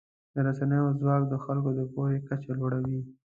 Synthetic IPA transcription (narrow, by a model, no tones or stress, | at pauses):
d̪̥əɾasanəjozwɑkd̪əxalkod̪əpohekat͡ʃeloɽawi